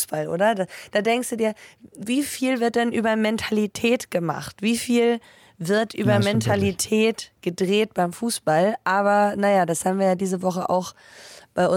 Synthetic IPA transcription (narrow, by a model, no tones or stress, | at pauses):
sb̥alʔo̰ːɾɐdad̥aːdɛŋkstd̥uːdiːɐviːfiːlvɪɐt̚d̥ɛnʔyːbɐmɛntʰalitʰɛːtɡ̥əma̰χtv̥iːfiːl | vɪɐtʔyːbɐmɛntʰalitʰɛːtɡ̥ədʁeːtb̥aɪmfuːsb̥alʔaːβɐnajadashaːbm̩viːɐjaːdiːzəvɔχəʔa̰ʊx | b̥aɪʔʊ